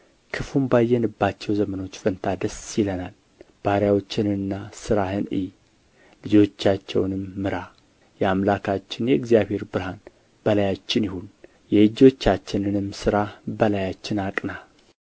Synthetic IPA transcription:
kʰɨfumbajːɛnɨbːat͡ʃːɛwzəməno̞t͡ʃːfənt̪ʰad̪əsjɪlənal | b̥aɾjawo̞t͡ʃːɪnɨnːasɨɾahɨnɨ̰j | lɨd͡ʒo̞t͡ʃːat͡ʃːɛ̰wnɨmːɨɾa | jɛamlakʰat͡ʃːɪnjɛɨɡzijaβhe̞ɾbɨɾhan | b̥əlajat͡ʃːɪnjɪhun | jɛɨd͡ʒo̞t͡ʃːat͡ʃːɪnɨnɨmːsɨɾahbəlajat͡ʃːɪnakʼna

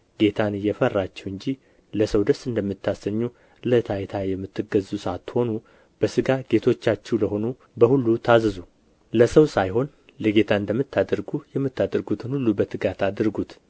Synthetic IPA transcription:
ɡ̥e̞t̪ʰanɨjɛfərːat͡ʃːɛwɨɲd͡ʒi | ləsəwd̪əsɨnd̪əmːɨt̪ʰːasəɲːu | lət̪ʰajt̪ʰajɛmːɨt̪ʰːɨɡəzusəat̪ːho̞nu | b̥əsɨɡaɡe̞t̪ʰo̞t͡ʃːat͡ʃːɛwləho̞nu | bəhulːut̪ʰazəzu | ləsəwsajho̞n | ləɡe̞t̪ʰaɨnd̪əmːɨt̪ːad̪əɾɡujɛmːɨt̪ːad̪əɾɡut̪ʰɨnhulːubət̪ʰːɨɡat̪ad̪əɾɡut̪

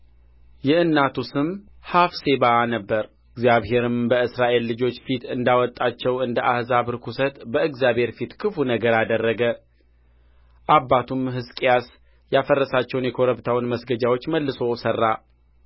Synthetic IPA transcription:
jɛɨnːat̪ʰusɨm | hafse̞banəbːəɾ | ɨɡzjaβhe̞ɾɨmbəɨsɾaʔe̞lːɨd͡ʒo̞t͡ʃːfit̪ɨnd̪awɔt̪ʼːat͡ʃːɛwɨnd̪əʔahzaβɨɾkʰusət̪bəɨɡzjaβhe̞ɾfit̪kʰɨfunəɡəɾad̪ərːəɡə | ʔabːat̪ʰumɦɨskʼijas | jafərːəsat͡ʃːɛwnjɛkʰo̞ɾəβt̪ʰawnməsɡəd͡ʒawot͡ʃːməlːɨso̞sərːa

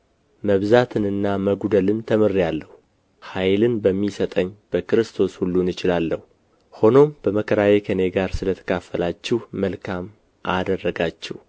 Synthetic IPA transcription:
məβzat̪ʰɨnɨnːaməɡud̪əlɨnt̪ʰəmɨrijalːəhu | hajlɨnbəmːisət̪ʼəɲːb̥əkɨɾɨst̪ʰo̞shulːunɨt͡ʃɪlalːəhu | ho̞no̞mb̥əməkʰəɾajekʰəne̞ɡaɾsɨlət̪ʰə̥kʰafːəlat͡ʃːɪhməlkʰam | ʔad̪ərːəɡat͡ʃːɪ̰h

